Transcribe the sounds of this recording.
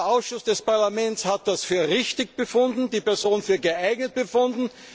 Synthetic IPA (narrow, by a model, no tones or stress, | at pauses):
ʔaʊsʃʊsd̥ɛspaɐlamɛntshat̚d̥asfyːɐʁɪçtɪçb̥əfʊndn̩diːpɛɐzoːnfyːɐɡəʔaɪɡnət̚b̥əfʊndn̩